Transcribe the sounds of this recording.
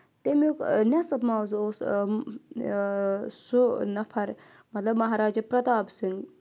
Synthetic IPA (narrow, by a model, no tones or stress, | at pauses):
t̪emjuknʲasɐbmaːwzos | sunɐpʰɐɾ | mɐt̪lɐbmɐɦaːɾaːd͡ʒɐpɾɐt̪aːbsɨŋɡ